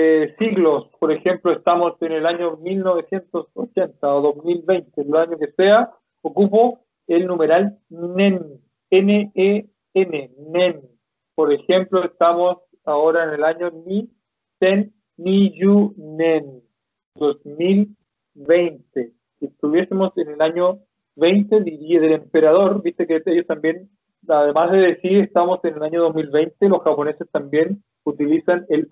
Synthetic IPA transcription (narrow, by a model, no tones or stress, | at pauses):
siɣlospoɾexe̞mploest̪amosenelaɲomilno̞βe̞sjent̪osot͡ʃent̪aoðosmilβejnt̪eloaɲokesea | okup̬o | elnume̞ɾal | nen | enee | enenen | poɾexemploest̪amos | aoɾaenelaɲoni | senː | iʝunen | d̪o̞smil | βejnt̪e | kiest̪uβje̞semo̞senelaɲo | βe̞jnt̪eðiɾiaðele̞mpe̞ɾað̞o̞ɾbist̪ekeejost̪ambje̞n | aðe̞mazðeðesiɾest̪amo̞senelaɲoð̞osmilβejnt̪elo̞sxapo̞ne̞sest̪ambje̞n | ut̪ilisanel